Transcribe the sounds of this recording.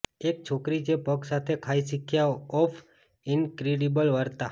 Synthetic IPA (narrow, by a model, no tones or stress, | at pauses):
ek̚t͡ʃʰokɾit͡ʃepəksat̪ʰekʰaiʃikʰjaɔpʰ | ɪnkɾeɖibəlʋəɾt̪a